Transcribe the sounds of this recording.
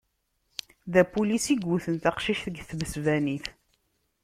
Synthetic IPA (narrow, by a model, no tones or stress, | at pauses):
ðæpulisiɡuθənt̪ɑqʃiʃθəɡθməsvæniθ